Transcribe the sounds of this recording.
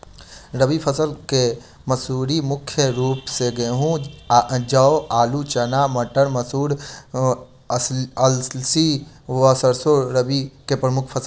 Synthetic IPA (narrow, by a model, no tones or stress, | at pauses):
ɾəbipʰəsəlke | məsuːɾimʊkʰjəɾuːpseɡəɦũ | d͡ʒɐoaːlut͡ʃɐnaːməʈəɳməsuːɾ | ɐlsi | ʋəsəɾsoɾəbikepɾəmʊkʰpʰəsəl